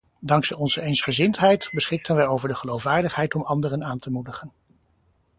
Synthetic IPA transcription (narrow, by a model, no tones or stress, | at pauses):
dɑŋksɛɔnzəejnsχəzɪntɦɛjtbəsχɪk̚tənʋɛjowvəɹdəχəlowfʋaːɹdəχɦɛjtɔmɑndərənaːntəmudəχən